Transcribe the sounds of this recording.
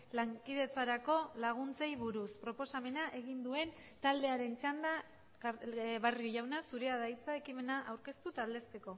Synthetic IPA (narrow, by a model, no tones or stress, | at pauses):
laŋkiðe̞t͡saɾako̞laɣ̞unt͡se̞jβuɾuspɾo̞po̞same̞naʔe̞ɣind̪ue̞n | t̪ald̪e̞aɾe̞nt͡seand̪a | βarioʝawnasuɾe̞aðajt͡sae̞kime̞naʔawɾke̞st̪ut̪ald̪e̞st̪e̞ko̞